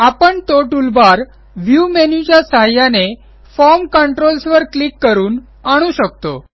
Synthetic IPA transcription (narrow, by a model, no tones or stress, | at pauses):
apəɳt̪oʈulbaɾ | ʋjumenid͡ʑjasəɦajane | fɔɾmkəɳʈɾolsʋəɾklikːəɾuːn | aɽ̃ũɕək̚t̪o